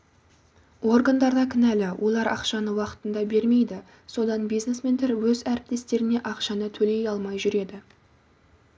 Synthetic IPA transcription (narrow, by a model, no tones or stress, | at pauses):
wo̞rɡɑnd̪ɑɾd̪ɑkʲʰɪnælɪwʔo̞lˠɑɾɑ̰qʃɑnəwɑqə̥t̪ənd̪ɑbe̞ɾme̞jd̪ɪ | so̞d̪ɑnbijznesme̞nt̪eɾwɵzæɾɪp̚t̪e̞st̪e̞ɾɪne̞ʔɑqʃɑnət̪ʰɵle̞jɑlˠmɑjʒʏɾe̞d̪ɪ